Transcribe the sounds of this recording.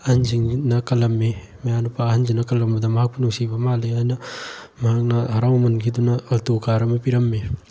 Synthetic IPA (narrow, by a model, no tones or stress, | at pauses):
ɐnd͡ʒiŋnɐkɐlɐmːe | mejanupaɦɐnd͡ʒinɐkɐlɐmɐd̪ɐmɐɦɐk̚pɐnusibɐmaːleajnɐmɐɦɐk̚nɐɦɐɾawmɐnɡʰid̪unɐːlt̪okaɾɐmepiɾɐmːe